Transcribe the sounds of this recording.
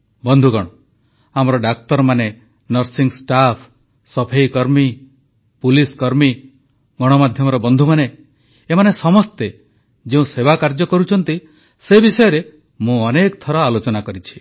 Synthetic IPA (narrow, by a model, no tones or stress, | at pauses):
bɔnd̪ʱuɡɔɽ̃ɔ | amɾɔɖak̚t̪ɔɾmane | nɔɾsiŋsʈapʰ | sɔpʰejkɔɾmi | puliskɔɾmi | ɡɔɽ̃ɔmad̪ʱjɔmɔɾɔbɔnd̪ʱumane | emanesɔmɔst̪e | d͡ʒeũsebakaɾd͡ʒɔkɔɾut͡ʃʰɔnt̪i | sebisɔjɔɾe | mũɔnekt̪ʰɔɾɔalot͡ʃɔnakɔɾit͡ʃʰi̥